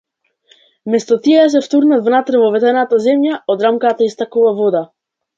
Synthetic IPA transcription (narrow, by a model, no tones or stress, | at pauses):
mɛst̪ɔt̪iɛɛas̬ɛft̪uɾnat̪vnat̪ɾɛvɔvɛt̪ɛnat̪azɛmjaɔd̪ɾamkat̪aist̪akuvavɔd̪a